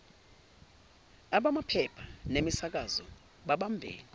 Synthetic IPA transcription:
aɓamapʰɛpʰḁnemisak̬azɔ | ɓaɓambʱḛːlɛ

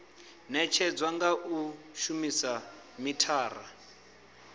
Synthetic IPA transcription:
nɛt͡ʃʰɛd͡zwaŋɡaʔu | ʃumisa | mitʰaːra̰

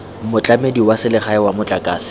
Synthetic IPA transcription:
mʊt͡ɬʼamediwasɪlɪχaɪwamʊt͡ɬʼakʼaːsɪ̥

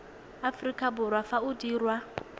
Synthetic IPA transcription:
afrikʼabʊɾwafaudiːrwa

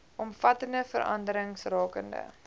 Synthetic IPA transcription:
ʔɔmfɐtəndəfəɾʔɐ̰ndəɾəŋsrɑːkəndə̰

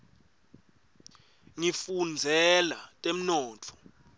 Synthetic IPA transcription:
ŋifund͡zʱɛlatʼem̩nɔːtʰɔ̥

